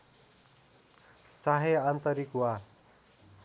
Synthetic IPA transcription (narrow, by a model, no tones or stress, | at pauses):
t͡saɦeant̪ʌɾikwa